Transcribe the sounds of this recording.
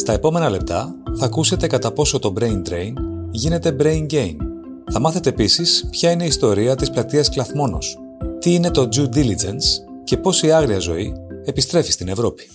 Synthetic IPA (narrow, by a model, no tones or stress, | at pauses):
st̪ɐe̞po̞me̞nɐle̞p̚t̪ɐ | θɐkuse̞t̪e̞kɐt̪ɐpo̞so̞t̪o̞bɾe̞jnd̪ɾe̞jnʝine̞t̪e̞bɾe̞jnɟe̞jn | θɐmɐθe̞t̪e̞ːpisispçɐine̞ist̪o̞ɾiɐt̪isplɐt̪iɐsklɐθmo̞no̞̰s | t̪iine̞t̪o̞d͡ʒud̪ilid͡ʒens | ce̞po̞siɐɣɾiɐzo̞̰ie̞pist̪ɾe̞fi̥st̪ine̞vɾo̞pi̥